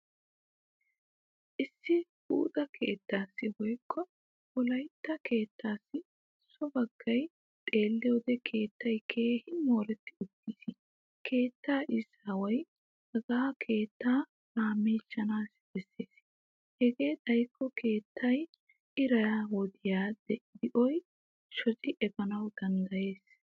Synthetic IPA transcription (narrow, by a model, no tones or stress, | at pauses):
ʔɪsːɪ | ṵːt̪ʼɐkʰe̞ːt̪ːaːsːɪwɔjkːɔ | wɔlɐjt̪ːɐke̞ːt̪ːaːsːɪ | sɔbɐɡːɐj | t̪ʼe̞ːlːɪjoːd̪ɛkʰe̞ːt̪ːɐjkʰeːhɪmo̞ːɾɛt̪ːɪʊt̪ːiːs | kʰe̞ːt̪ːaːʔɪsːawɐj | ɐɡaːkʰe̞ːt̪ːaː | ɾaːmːeːt͡ʃːɐnaːsb̥ɛsːeːs | hɛɡe̞ːt̪ʼɐjkːɔke̞ːt̪ʰːɐj | ɪɾɐjawɔd̪ɪjaːd̪ɛd̪ɪʔɔj | ʃɔt͡ʃʼɪʔɛbɐnɐwd̪ɐnd̪ɐje̞ːs